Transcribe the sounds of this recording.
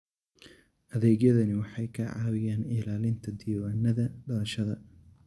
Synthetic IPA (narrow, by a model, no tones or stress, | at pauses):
ʔɐðɛːɡjɐðɐnɪwɑħɑjkʰɐʕɑ̰ːwɪjaːnɪlaːlɪnt̪ʰɐd̪ɪjɐwaːnːɐðɐɖɐɾɐʃɐðɐ